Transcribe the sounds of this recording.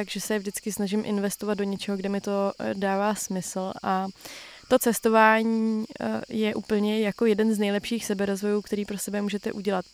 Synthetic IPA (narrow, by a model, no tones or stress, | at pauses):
aɡʒɛsɛvʒdɪt͡skɪsnaʒɪmʔɪ̰nvɛst̪o̞vad̪̚do̞ɲɛt͡ʃɛɦoɡdɛmɪt̪o̞daːvaːsmɪsl̩ʔat̪o̞t͡sɛst̪o̞vaːɲiːjɛʔuːpl̩ɲɛjako̞jɛdɛnznɛjlɛpʃiːxsɛbɛɾo̞zvo̞juːkt̪ɛɾiːpɾo̞sɛbɛmuːʒɛt̪ɛʔuɟɛlat̪̚